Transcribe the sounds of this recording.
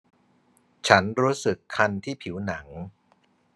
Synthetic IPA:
t͡ɕʰa˦˥nɾuː˦˥sɯ˨˩kʰːa˧nt̪ʰiː˥˩pʰiː˩˦wna˩˦ŋ

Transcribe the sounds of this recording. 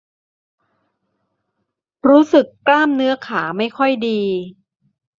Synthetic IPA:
ɾuː˦˥sɯ˨˩kːlaː˥˩mnɯ˦˥ɐkʰaː˩˦ma˥˩jkʰɔ˥˩jdiː˧

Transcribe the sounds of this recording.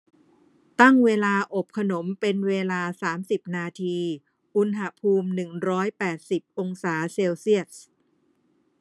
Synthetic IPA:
t̪a˥˩ŋweː˧laː˧ʔo˨˩p̚kʰa˧no˩˦mpe˧nweː˧laː˧saː˩˦msi˨˩p̚naː˧t̪ʰiː˧ | ʔu˧nɦa˧˥pʰuː˧mnɯ˨˩ŋɾɔː˦˥jpɛː˨˩t̪̚si˨˩p̚ʔo˧ŋsaː˩˦seː˧wsi˥˩ət̪̚

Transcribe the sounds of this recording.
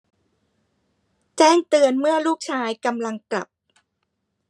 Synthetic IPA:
t͡ɕɛː˥˩ŋt̪ɯ˧ənmɯ˥˩ɐluː˥˩k̚t͡ɕʰaː˧jka˧mla˧ŋkla̰˨˩p̚

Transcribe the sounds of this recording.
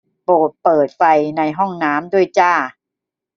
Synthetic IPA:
poː˨˩t̪̚pɤː˨˩t̪̚fa˧jna˧jɦɔ˥˩ŋnaː˦˥mdu˥˩əjt͡ɕaː˥˩

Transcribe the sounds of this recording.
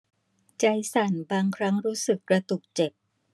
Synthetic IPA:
t͡ɕa˧jsa˨˩˦nbaː˧ŋkʰɾa˦˥ŋɾuː˦˥sɯ˨˩kːɾa˧t̪u˨˩k̚t͡ɕe˨˩p̚

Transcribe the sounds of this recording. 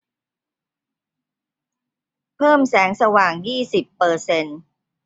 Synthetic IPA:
pʰɤː˥˩msɛː˩˦ŋsa˧waː˨˩ŋjiː˥˩si˨˩pːɤː˧se˧n

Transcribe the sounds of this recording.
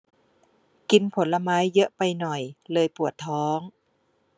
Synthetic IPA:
ki˧npʰo˩˦nla˧maː˦˥jːɤ˦˥ʔpa˧jnɔ˨˩jlɤː˧jpu˨˩ət̪ʰːɔː˦˥ŋ

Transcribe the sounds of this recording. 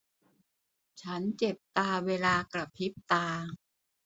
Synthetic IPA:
t͡ɕʰa˦˥nt͡ɕe˨˩p̚t̪aː˧weː˧laː˧kla˨˩pʰːi˦˥p̚t̪aː˧

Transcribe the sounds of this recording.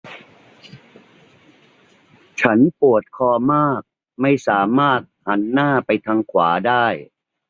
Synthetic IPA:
t͡ɕʰa˦˥npu˨˩ət̪̚kʰɔː˧˩maː˥˩k̚ | ma˥˩jsaː˩˦maː˥˩t̪̚ha˩˦nːaː˥˩pa˧jt̪ʰaː˧ŋkʰwa̰ː˩˦daː˥˩j

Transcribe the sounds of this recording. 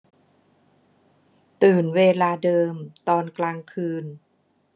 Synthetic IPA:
t̪ɯː˨˩nweː˧laː˧dɤː˧mt̪ɔː˧nklaː˧ŋkʰɯː˧n

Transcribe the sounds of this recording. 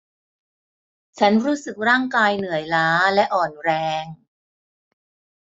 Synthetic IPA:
t͡ɕʰa˦˥nɾuː˦˥sɯ˨˩k̚ɾaː˥˩ŋkaː˧jnɯ˨˩˦əjlaː˦˥lɛ˦˥ʔɔː˨˩nɾɛː˧ŋ

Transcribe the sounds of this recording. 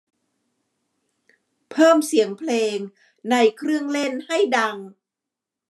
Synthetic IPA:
pʰɤː˥˩msi˨˩˦əŋpʰleː˧ŋ | na˧jkʰɾɯ˥˩əŋle˥˩nha˥˩jda˧ŋ

